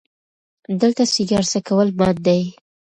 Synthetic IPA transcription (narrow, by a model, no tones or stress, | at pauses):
d̪əlt̪asɪɡɑɾsakawəlmɑt̪̚d̪aj